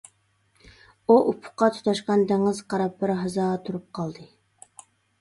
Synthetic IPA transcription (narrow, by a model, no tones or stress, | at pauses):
uʔupʰʊ̥qɑt̪ʰu̥t̪ɑʃqɑnd̪æŋɪzqʰɑɾɑp̚bɪɾɦɑzɑːʁt̪ʰuɾup̚qʰɑlˠd̪ɨ